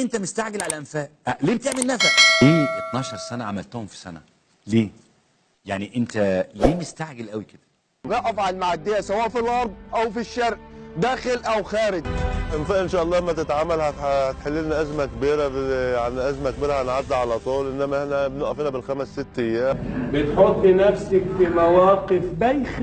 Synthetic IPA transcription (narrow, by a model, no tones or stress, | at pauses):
ʔent̪æmest̪aʕɡelʕalæʔæmfæːʔæliːbet̪eʕmelnæfæʔleːʔet̪nɑːʃɑɾˤsænæʕamælt̪ohomfi̥sæ̰næ̰ | leː | jaʕniʔent̪æleːmest̪aʕɡelʔæwiked̪̥æ̥ | nɑʔæfʕalmaʕad̪ːejæsæwæːʔfilʔɑɾˤb̪̚ˤʔæwfiʃːɑɾʔd̪æːxɪlʔæwxæːɾɪɡʔɪmfaʔɪnʃæːʔɑlˤːɑːʔmːæt̪et̪ʕamːælhæhæt̪ħelːiniʔæzmækbiːɾæbjaʕniʔæzmæk̚biːɾæhænʕad̪ːæʕalæt̪ˤuːlʔɪnːæmæehnæbnoʔæfiːnæbɪlxæmæsːɪt̪ːɪjːæːmbɪt̪ħot̪ˤːinæfsakfimawæːqɪfbæjx